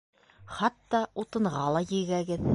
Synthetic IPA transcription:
χɑt̪ːɑut̪ɤ̆ɴʁɑlˠɑjɘ̆ɡæɡɘð

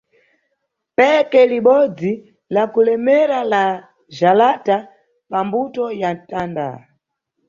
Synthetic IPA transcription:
pɛkɛliɓɔd͡zi | lakulɛmɛɾala | ʒalata | pambutɔjatanda̰

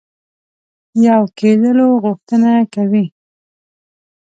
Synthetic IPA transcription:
jawked̪əloɣʊxt̪ənakawi

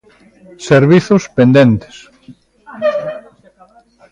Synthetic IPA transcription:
seɾβiθʊspend̪ent̪e̥s

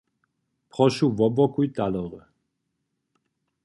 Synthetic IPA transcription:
pχɔʃuvɔbɔkujt̪alɔʁə

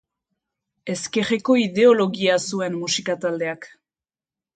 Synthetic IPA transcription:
e̞ske̞reko̞iðe̞o̞lo̞ɣiasue̞nmusikat̪ald̪e̞ak

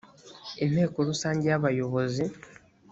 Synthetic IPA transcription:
ene̞ːkulusaːɲɟaːβajo̞βo̞zi

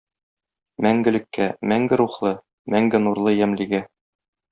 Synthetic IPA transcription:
mæŋɡɘ̆lɘ̆kːæmæŋɡɘɾuχlˠɤ | mæŋɡɘnuɾlˠɤjæmlĭɡæ

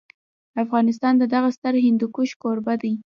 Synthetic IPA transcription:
afɣɑnɪs̬t̪ɑnd̪əd̪aɣast̪əɾɦɪnd̪ukuʃkoɾbad̪aj

